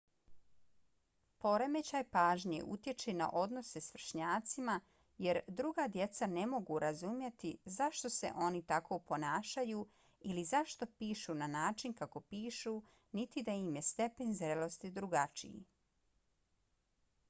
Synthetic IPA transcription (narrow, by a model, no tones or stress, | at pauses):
po̞ɾeme̞t͡ɕajpaːʒɲḛʔṵt̪je̞t͡ʃena̰ʔo̞d̪no̞se̞sʋr̩ʃɲaːt̪sima | je̞ɾd̪ɾuɡaːd̪je̞t̪sane̞mo̞ɡuɾazumjet̪izaʃt̪o̞se̞̰ʔo̞nit̪akʰo̞po̞naːʃaju | ilizaʃt̪o̞piːʃunanaːt͡ʃinkako̞piːʃu | nit̪id̪aimje̞st̪e̞pe̞nzɾelo̞st̪id̪ɾuɡat͡ʃḭḭ